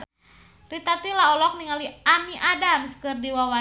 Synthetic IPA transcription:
rit̪at̪ilaɔlɔk̚niŋalianiʔadamskɨrdiwawa

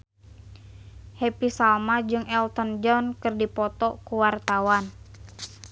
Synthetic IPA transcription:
hepisalmad͡ʒɨŋɛlt̪ɔnd͡ʒɔnkɨrdipɔt̪ɔkuwart̪awan

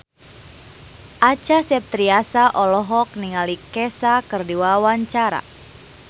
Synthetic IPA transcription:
ʔat͡ʃasɛp̚t̪ɾiasaʔɔlɔɦɔk̚niŋalikɛsakɨrdiwawaɲt͡ʃaɾa̰

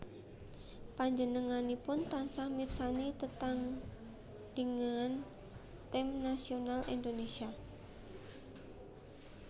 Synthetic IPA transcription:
paɲd͡ʒənəŋanipʊnt̪ansahmirsanit̪ət̪aŋ | d̥əŋan | t̪ɛmnasionalʔḭnd̪onesia

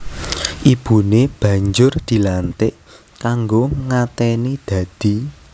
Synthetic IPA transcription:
ʔib̥ṳneb̥ä̤ɲd͡ʒʊrd̪̥i̤lant̪ɪʔ | kaŋɡoŋat̪ɛnid̪̥ä̤d̪̥i̤

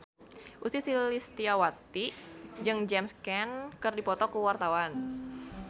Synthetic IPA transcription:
ʔust̪isilist̪iawat̪id͡ʒɨŋd͡ʒɛmskɛnkɨrdipɔt̪ɔkuwart̪awan

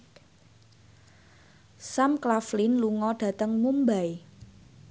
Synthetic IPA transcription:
samklaflinluŋɔɖ̥ä̤t̪əŋmumbaj

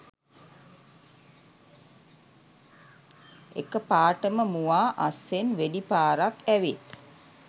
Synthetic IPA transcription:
ḛkəpaːʈəməmuʋaːʔasːenʋedipaːɾakæʋet̪

